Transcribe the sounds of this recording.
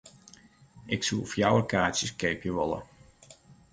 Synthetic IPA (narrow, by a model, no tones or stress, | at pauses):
ʔɪksufjawərkaːsjəskejpjəʋɔlˠə̰